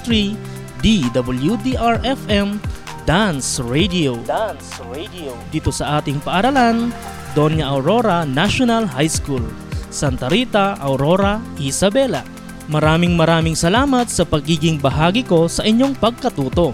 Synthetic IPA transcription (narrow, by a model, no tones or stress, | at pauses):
t̪ɾi | d̪id̪ɐbɐljud̪iʔaɹʔɛfʔɛm | d̪ansɹejd̪iod̪ansɹed̪iod̪iːt̪o̞sɐʔaːt̪ɪŋpɐʔɐɾɐlan | d̪o̞njɐʔɐwɾo̞ɾɐnaʃonɐlɦajskul | sɐnt̪ɐɾiːt̪ɐʔɐwɾoɾɐʔisɐbɛlɐ̰ | mɐɾaːmɪŋmɐɾaːmɪŋsɐlaːmɐt̪̚sɐpɐɡiːɡɪŋbɐɦaːɡɪko̞sɐʔɪɲːo̞ŋpɐɡ̚kɐt̪uːt̪o̞